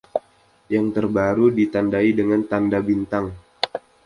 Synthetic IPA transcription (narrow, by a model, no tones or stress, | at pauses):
jaŋt̪ərbaɾudit̪andaidəŋant̪andabint̪aŋ